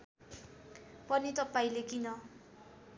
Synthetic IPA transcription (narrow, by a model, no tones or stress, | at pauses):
pʌnit̪ʌpaĩlekinʌ